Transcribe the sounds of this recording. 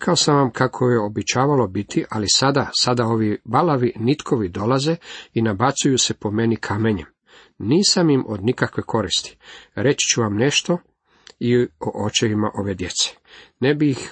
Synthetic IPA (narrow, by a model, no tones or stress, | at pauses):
ɾkʰaosamʋamkʰakʰojeobɛt͡ɕaːʋalo̞bit̪ʰiʔalisad̪asad̪ao̞ʋibalaʋinit̪kʰo̞ʋid̪o̞laze̞inabat̪sujuse̞po̞me̞nikʰame̞ɲem | niːsamimʔod̪nikakʋe̞kʰo̞ɾist̪i̥ɾe̞t͡ɕi̥t͡ʃuʋamne̞ʃt̪o̞ | ioʔot͡ʃeʋimaʔo̞ʋe̞d̪je̞t̪se̥ | nebiːx